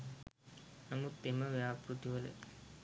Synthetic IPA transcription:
nɐmut̪ːemɐʋjaːpɾut̪iʋɐlɨ̰

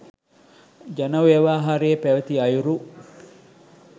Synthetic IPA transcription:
d͡ʒɐnɐʋeɐʋaːɦɐɾeːpæʋɐt̪iɐjuɾu

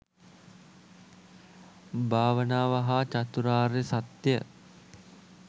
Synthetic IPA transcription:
bʱaːʋənaːʋaɦat͡ʃat̪uɾaːɾesat̪jə̰

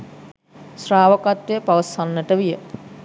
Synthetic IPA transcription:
sraːʋəkat̪ʋejəpaʋəsanːəʈəʋijə

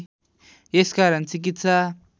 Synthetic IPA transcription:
jeskaɾʌnt͡sik̬it̪sa

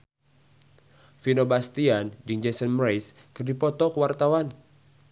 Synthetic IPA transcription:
finobast̪iand͡ʒɨŋd͡ʒɛsɔnmɾajs | kɨrdipɔt̪ɔkəwart̪awan

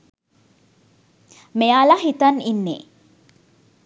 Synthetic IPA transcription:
mejalaɦit̪ɐninːḛ

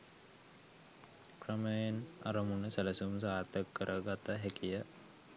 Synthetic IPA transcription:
krəməjena̰ɾəmunəsæləsumsaːt̪əkːəɾʔəɡat̪əɦækijə

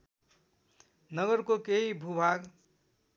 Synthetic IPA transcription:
nʌɡʌrkokeɦibʱubʱaɡ

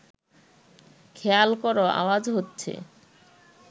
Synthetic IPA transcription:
kʰealkɔɾoa̰wad͡ʑɦotːɕʰḛ

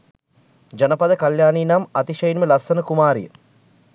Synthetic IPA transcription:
d͡ʒɐnəpɐd̪əkɐljaːniːnamɐt̪iʃɐjinməlɐsːɐnəkumaːɾḭjə̰

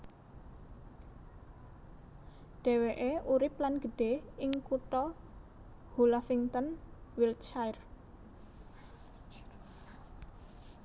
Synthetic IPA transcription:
ɖ̥ɛ̤weʔeuɾɪp̚lanɡ̥ə̤ɖ̥eɪŋkuʈɔ | hulafiŋt̪ɔnwilt͡ʃajr

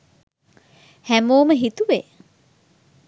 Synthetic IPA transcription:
hæmoːməɦit̪uʋe

